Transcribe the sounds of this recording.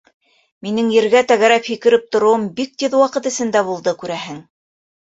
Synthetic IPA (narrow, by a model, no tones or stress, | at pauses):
minɘŋjɘ̆ɾɡæt̪æɣæɾæphikɘ̆ɾɘp̚t̪ŏɾŏwɤmbik̚t̪ɘðwɑqɤt̪ɘ̆sɘ̆nd̪æβulˠd̪ɤkʉɾæɦɘŋ